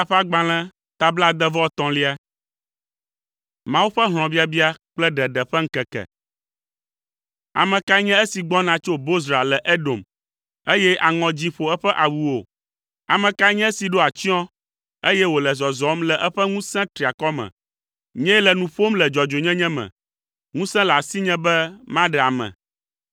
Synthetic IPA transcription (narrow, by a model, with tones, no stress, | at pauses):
a˨ɸa˦ɡ͡bã˨l̃ɛ̃˦ | t̪a˨bla˦d̪ɛ˦vɔ˦˨t̪ɔ̃˨li˦a˦ | mã˦wu˦ɸɛ˦ɦl̃ɔ̃˨bi˦a˨bi˦a˦k͡plɛ˦ɖɛ˨ɖɛ˨ɸɛ˦ŋ̩˦kɛ˨kɛ̰˨ | a̰˨mɛ̃˨ka˦ɲɛ̃˦e˦si˨ɡ͡bɔ˦nã˨t͡ʃo˦bo˦z̬ɾa˨lɛ˨ʔe˦ɖo˨m | e˦jɛ˦ʔa˨ŋɔ̃˨d͡ʑĩ˦ɸo˨ɛ˦ɸɛ˦ʔa˨wu˨o˨ | a˨mɛ̃˨ka˦ɲɛ̃˦e˦si˨ɖo˦a˨t͡ɕĩ˦ɔ̃˦ | e˦jɛ˦wo˨lɛ˨zɔ˨zɔ˨˦mlɛ˨ʔɛ˦ɸɛ˦ŋũ˦sɛ̃˦t̪ɾi˨a˨kɔ˦mɛ̰̃˨ | ɲɛ̃˦lɛ˨nũ˨ɸo˦mlɛ˨d͡ʒɔ˨d͡ʒo˨ɲɛ̃˦ɲɛ̃˦mɛ̰̃˨ | ŋũ˦sɛ̃˦la˨si˦ɲɛ̃˦bɛ˦mã˦ɖɛ˨a˨mɛ̰̃˨